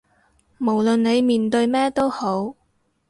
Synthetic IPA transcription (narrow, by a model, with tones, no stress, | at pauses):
mo˨˩wlɵ˨nne˨˧jmiː˨nt̪ɵ˧ɥmɛː˥t̪o˥who˨˥w